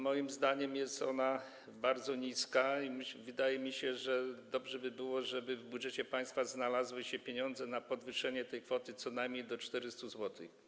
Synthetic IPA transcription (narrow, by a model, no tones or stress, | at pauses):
mɔjimzd̪aɲɛmjɛst̪ɔ̰na | baɾd̪zɔɲiskaimvɘd̪ajɛmʲiɕɛʐɛd̪ɔbʐɛbɘbɘwɔʐɛbɘvbudʐɛt͡ɕɛpaj̃st̪faznalazwɘɕɛpʲjeɲɔnd̪zɛnapɔd̪vɘʂɛɲɛt̪ɛjkfɔt̪ɘt̪sɔnajmɲejd̪ɔt͡ʂt̪ɛɾɘst̪uzwɔt̪ɘ̰x